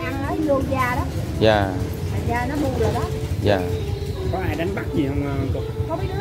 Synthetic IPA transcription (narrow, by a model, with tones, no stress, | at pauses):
ʔa˧ŋnɔ˨˦jlo˧˩zaː˨˩ɗɔ˨˦ | zaː˨˩ | a˨˩zaː˨˩nɔ˨˦mu˧ɗɨ˨˩ək̚ɗɔ˨˦ | zaː˨˩kɔ˨˦ʔaː˧jɗa˨˦jŋ̟ɓa˦˥k̚ɲi˨˩hə˧wŋ͡mːt̪u˨˩kɔ˧w